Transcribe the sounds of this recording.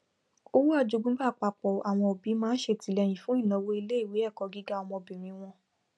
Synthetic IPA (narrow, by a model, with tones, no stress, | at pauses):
o˦wu˦a˧˨d͡ʒo˧ɡ͡bũ˦ɡ͡ba˦˨k͡pa˧˨k͡pɔ˨a˨w̃ɔ̃˧o˨bi˨˦mãː˦n̩˦ʃe˧ti˨˦lɛ˧j̃ĩ˨fũ˨˦ĩ˦˨nã˨˧wo˦i˧le˦i˦˨wi˨˦ɛ˦˨kɔ˧ɡi˦ɡa˦ɔ˧wɔ̃˧o˨bĩ˨mĩ˧w̃ɔ̃˧